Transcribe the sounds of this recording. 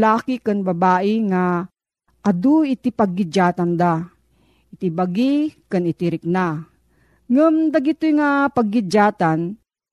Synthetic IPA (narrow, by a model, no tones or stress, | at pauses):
laːkikanbabaːʔɪŋa | ʔad̪uɪt̪ipaɡːɪd͡ʒaːt̪and̪a | ʔɪt̪ibaɡikanɪt̪ɪɾɪk̚na | ŋʊmd̪aɡit̪ʊjŋapaɡːɪd͡ʒaːt̪an